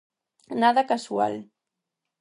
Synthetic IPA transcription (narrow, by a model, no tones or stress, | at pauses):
naðakasua̰l